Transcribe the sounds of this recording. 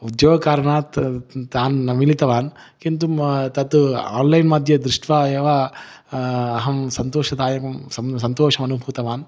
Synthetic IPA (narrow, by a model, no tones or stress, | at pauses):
ud̪joːɡɐkaːɾɐɳaːt̪aːnːɐmilit̪ɐʋaːn | kint̪umt̪ɐt̪ua̰ːnlɐjnmɐd̪ʱjɐd̪ɾuʂʈʋaːeːʋa | ɐɦɐmsɐnt̪oːʃɐd̪aːjɐmɐmsɐmsɐnt̪oːʃɐmɐnubʱuːt̪ɐʋaːn